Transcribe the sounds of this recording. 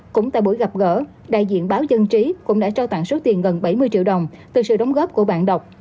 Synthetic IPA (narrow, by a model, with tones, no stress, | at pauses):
kʊ̰˧˥ŋ͡mt̪a̰ː˧˨jɓu˧˩əjɣa˨˩p̚ɣə̰ː˧˥ | ɗa̰ː˧˨jzḭ˧˨ənɓaː˨˦wzə˧nt͡ɕi˨˦kʊ̰˧˥ŋ͡mɗa̰ː˧˥t͡ɕaː˧wt̪a̰˧˨ŋso˨˦t̪i˨˩ənɣə˨˩nɓa˧˩jmɨ˧jt͡ɕḭ˧˨wɗə˨˩wŋ͡mt̪ɨ˨˩sɨ̰˧˨ɗə˨˦wŋ͡mɣɔː˦˥p̚ku˧˩əɓa̰ː˧˨nɗə˨˩wk͡p̚